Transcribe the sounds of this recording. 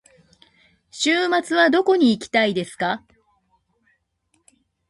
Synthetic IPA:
ɕɨːmat͡sɨβad̪o̞ko̞ɲ̟iːkʲi̥t̪aid̪e̞sɨ̥ka

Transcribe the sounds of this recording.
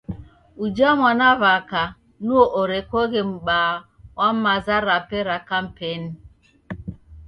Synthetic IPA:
ud͡ʒamanavaka | nuoʔoɾekɔɣem̩ɓaː | wam̩mazaɾapeɾakam̩peni

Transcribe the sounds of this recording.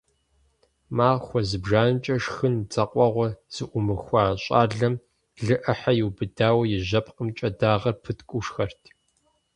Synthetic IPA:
maːʁxʷɔzɨbʒaːnt͡ʃʼɐʂxɨnt͡sʼɐqʷʼɔʁʷɔz̥ɨʔʷʊmɨxʷɑːɕʼa̰ːɮɐm | ɮɨʔɐħajɪwbɨdaːwɐjɪʑɐpqəmt͡ʃʼɐdaːʁɐrpʰɨtʰkʷʼʊʂxɐrtʰ

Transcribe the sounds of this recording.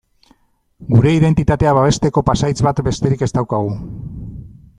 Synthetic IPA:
ɡuɾe̞iðe̞nt̪it̪at̪e̞aβaβ̞e̞st̪e̞ko̞pasajt͡sβat̪be̞st̪e̞ɾike̞st̪awkaɣ̞u

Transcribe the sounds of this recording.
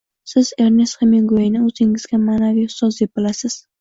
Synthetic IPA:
sɪz̥e̞ɾne̞sχemiŋɡoɪnɪɵz̥ɪŋɪzɡʲamaːnavijhʊ̥st̪ɒsd̪ep̚bɪlasɪz̥

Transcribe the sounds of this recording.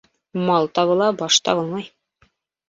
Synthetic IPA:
mɑlˠt̪ɑβɤ̆lˠɑbɑʃt̪ɑ̰βɤlˠmɑj

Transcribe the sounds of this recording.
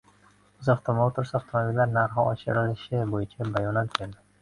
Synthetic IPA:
ʊzɒχt̪ʰɒmowt̪ʰʊɾsɒft̪ʰomobilːaɾnaɾɦɒɒt͡ʃɪ̰ɾɪlɪʃɪbojɪt͡ʃʰabajɒnat̪̚kʲʰeld̪ɪ

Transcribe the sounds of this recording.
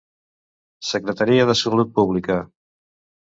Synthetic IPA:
səkɾət̪aɾiəðəsəlut̪̚puβlikə

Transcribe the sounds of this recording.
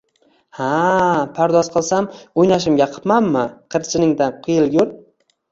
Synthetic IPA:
hapʰaɾd̪ɒzqʰɨlˠsamojnaʃ̬ɪmɡʲaqʰɨ̥pmamːɪqʰɨɾt͡ʃʰɪnɪŋd̪anqʰʊjɪlˠɡʊɾ

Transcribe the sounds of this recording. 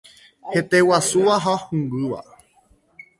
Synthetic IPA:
het̪ewasuʋaɦaohũmɡɨʋa̰

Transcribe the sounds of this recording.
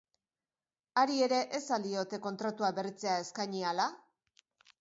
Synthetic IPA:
aɾie̞ɾe̞ʔesald̪io̞t̪e̞ko̞nt̪ɾat̪uabe̞rit͡se̞ae̞skajɲiala

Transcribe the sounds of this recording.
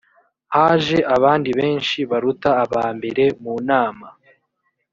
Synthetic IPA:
haːʒe̞ʔaβaːndiβe̞ːnʃiβaɾutaːβaːmbe̞ɾe̞muːnaːma

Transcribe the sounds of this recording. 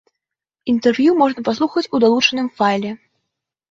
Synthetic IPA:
int̪ɛrvjumɔʐnɐpaslˠuxɐt͡sʲud̪alˠut͡ʂɐnɨmfajlʲɛ

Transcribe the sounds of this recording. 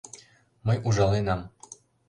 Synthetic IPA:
mɤjuʒɑlˠenɑm

